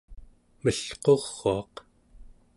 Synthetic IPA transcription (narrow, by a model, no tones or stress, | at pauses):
məɬqo̞ʁːoɑq